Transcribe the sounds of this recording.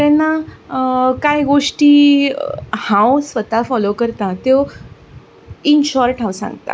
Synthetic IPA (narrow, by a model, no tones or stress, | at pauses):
t̪ɛ̃nːa | kajɡoʂʈiː | hãwsʋət̪afɔlokəɾt̪at̪e | inɕɔɾʈʰãwsã̰ŋɡt̪a̰